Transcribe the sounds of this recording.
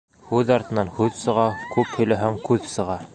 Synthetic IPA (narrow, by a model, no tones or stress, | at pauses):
hʉðɑɾt̪ɤ̆nɑnhʉðsɤ̆ʁɑkʉphɵ̆jlæɦæŋkʉðsɤ̆ʁɑ